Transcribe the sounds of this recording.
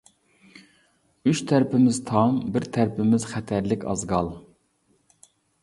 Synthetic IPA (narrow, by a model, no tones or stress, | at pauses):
yt͡ʃt̪ʰɛɾpʰɪmɪz̥t̪ʰɑmbɪɾt̪ʰæɾpʰɪmɪzχɛt̪ʰæɾlɪkʲʰɑ̰zɡɑlˠ